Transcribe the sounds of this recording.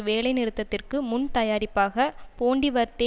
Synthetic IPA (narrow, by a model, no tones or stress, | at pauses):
ʋeːlɐɪnɪɾɯt̪ːɐt̪ːɪrkɯmʊnt̪ɐjaːɾɪpːaːɣɐpoːɳɖiʋɐɾt̪ːeː